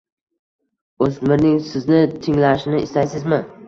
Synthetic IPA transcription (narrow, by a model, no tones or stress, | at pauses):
ɵsmɪɾnɪŋsɪznɪt̪ʰɪŋlaʃɪnɪɪ̰st̪ajsɪzmɪ